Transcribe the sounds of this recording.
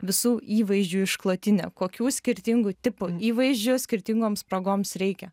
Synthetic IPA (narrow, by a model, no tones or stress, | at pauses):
ʋʲɪsuːʔiːʋɐɪzʲd͡ʒʲuːɪʃklˠoːt̪ʲɪnʲɛ̰koːkʲuːsʲkʲɪɾʲt̪ʲɪŋɡʊt̪ʲɪpʊiːʋɐɪʒʲd͡ʒʲʊsʲkʲɪɾʲt̪ʲɪŋɡoːmspɾɐɡoːmsɾʲɛɪkʲɛ